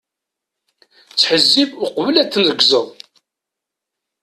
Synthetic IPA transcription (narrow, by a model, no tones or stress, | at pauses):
t͡sːħəzːivʊqvəlæt͡sːənðəɡzəðˤ